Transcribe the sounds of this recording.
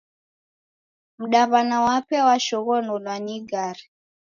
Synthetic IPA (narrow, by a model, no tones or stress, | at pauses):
m̩ɗaβanawapɛwaʃɔɣɔnɔlwaɲiɡaɾi